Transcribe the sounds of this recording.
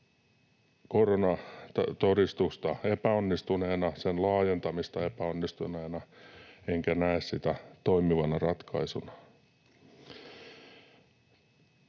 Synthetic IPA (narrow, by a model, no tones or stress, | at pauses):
koronɑt̪odist̪ust̪ɑepæonːist̪uneːnɑsenlɑːjent̪ɑmist̪ɑepæonːist̪uneːnɑeŋkænæessit̪æt̪oimiʋɑnɑrɑt̪kʰɑisunɑ̥